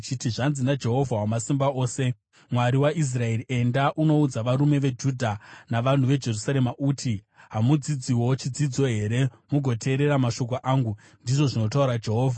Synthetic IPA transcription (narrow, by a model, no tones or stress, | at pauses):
t͡ʃitiʐanzinad͡ʒe̞ɦo̞vʱawamasimbao̞ːse̞ | mwaɾiwaʔis̬rae̞rie̞ndaʔuno̞ud͡zaʋaɾume̞ʋe̞d͡ʒudʱanaʋan̤uʋe̞d͡ʒe̞rusaɾe̞maʔuːtʰi | ɦamud͡zid͡ziwo̞t͡ʃid͡zid͡zo̞ɦe̞ɾe̞ | muɡʱo̞tʰe̞ːɾe̞ɾamaʃo̞k̬o̞ʔaːŋɡu | ndiʐo̞ʐino̞tauɾad͡ʒe̞ɦo̞ːvʱa